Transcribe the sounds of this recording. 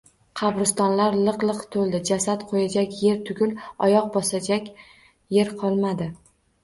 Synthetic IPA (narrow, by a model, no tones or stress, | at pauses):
qʰɑbɾɪst̪ɒnlaɾlˠɨqlˠɨqt̪ʰolˠd̪ɪd͡ʒasat̪qʰojad͡ʒakʲje̞ɾt̪ʰʊɡʲʊlɒjɒq̚bɒsad͡ʒakʲ | je̞ɾqʰɒlˠmad̪ɪ